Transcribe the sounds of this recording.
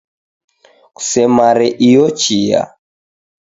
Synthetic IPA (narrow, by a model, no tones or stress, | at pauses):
ku̥sɛmaɾɛʔijɔt͡ʃija̰